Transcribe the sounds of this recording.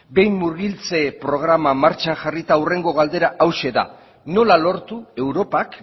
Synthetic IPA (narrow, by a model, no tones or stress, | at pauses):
be̞jmːuɾɣilt͡se̞pɾo̞ɣ̞ɾamamaɾt͡ʃanʝarit̪aure̞ŋɡo̞ɣ̞ald̪e̞ɾaʔawʃe̞ða̰ | no̞lalo̞ɾt̪ue̞wɾo̞pak